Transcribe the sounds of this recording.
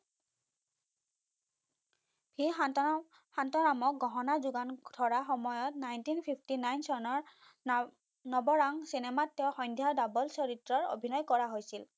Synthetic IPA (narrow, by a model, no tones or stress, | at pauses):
bʱi | hantɔnamɔk̚ɡɔɦɔnazuɡandʱɔɹaxɔmɔjɔtnajntinpʰipʰtinajnsɔɹnɔɹ | nɔbɔɹaŋsinematːewxɔjndʱjadabɔlsɔɹitɹɔɹo̰bʱinɔjkɔɹaɦojsil